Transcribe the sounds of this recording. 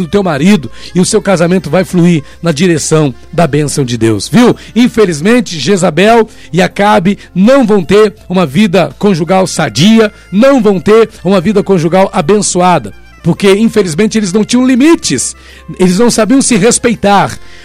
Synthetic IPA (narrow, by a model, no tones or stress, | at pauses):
d̪ʊt̪ewmaɾid̪ʊɪʊsewkazamẽnt̪ʊvajfluiɾ | nɐd͡ʒiɾesɐ̃w̃ | d̪ɐbẽsɐ̃w̃d͡ʒɪd̪ḛwsviw | ĩfelizmẽnt͡ʃɪʒezabɛw | ɪakabɪ | nɐ̃w̃vɐ̃w̃t̪eɾũmɐvid̪ɐkõʒuɡawsad͡ʒiɐ | nɐ̃w̃vɐ̃w̃t̪eɾũmɐvid̪ɐkõʒuɡawʔabẽsuad̪ɐ | poɾkeĩfelizmẽnt͡ʃɪelɪznɐ̃w̃t͡ʃĩɐ̃limit͡ʃɪs | elɪznɐ̃w̃sabiɐ̃w̃sɪɦespejt̪aɾ